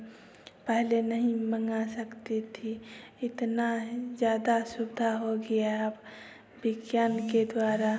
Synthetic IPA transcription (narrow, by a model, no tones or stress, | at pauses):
pɛɦlenəɦĩməŋɡasəkt̪it̪ʰiɪt̪nad͡ʒjaːd̪asʊbɪd̪ʱaɦoɡəjaəp | bɪɡjaːnked̪waːɾa